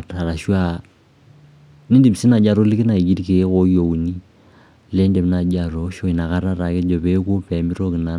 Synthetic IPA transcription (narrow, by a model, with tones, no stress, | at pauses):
ɾa˨ɾa˨ʃwa˦ | ni˦ndi˨bi˨si˦na˨d͡ʒa˨ɾo˦li˦ki˦na˨i˨ɡi˦ɾi˦ke˨˦ko˨˦jo˨u˨ni˦ | le˦ndɛ˨m˦na˨d͡ʒa˨ɾɔ˨˦ʃɔ˦i˨na˨ka˦ɾa˦ɾa˨ke˦d͡ʒɔ˨βɛ˨˦ko˦pɛ˨mi˦ɾo˦ki˨na˨˦